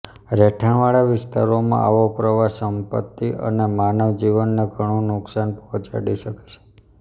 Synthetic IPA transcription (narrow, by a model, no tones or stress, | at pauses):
ɾeʈʰəɳʋaɭaʋɪst̪aɾomã̰ʔa̰ʋopɾəʋasəmpət̪ːiʔə̰nemanəʋd͡ʒiʋənːeɡʱəɽ̃õnʊksanpɔɦɔ̃t͡ʃa̰ɽiʃəke̥t͡ʃʰe̥